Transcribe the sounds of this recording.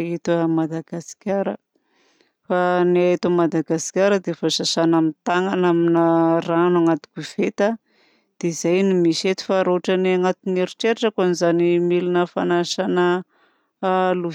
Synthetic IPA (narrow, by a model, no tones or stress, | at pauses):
et̪amad̪aɡ̥asi̥kʲaɾə̰ | fanaet̪amad̪aɡasi̥kʲaɾəd̪efosasanamint̪aŋanaminaranuaŋat̪u̥kʲuv̥et̪a | d̪̥eizajnimiset̪i̥faɾoʈ͡ʂaniaŋat̪uneɾiʈ͡ʂeɾaʈ͡ʂakanizanimilinəfanaʃanə | lu